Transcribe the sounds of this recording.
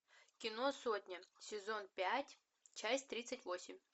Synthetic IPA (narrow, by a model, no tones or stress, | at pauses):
kʲɪno̞so̞tʲnʲəsʲɪzo̞npʲætʲ | t͡ɕæsʲtʲt̪ɾʲit̪sɨtʲvo̞sʲɪmʲ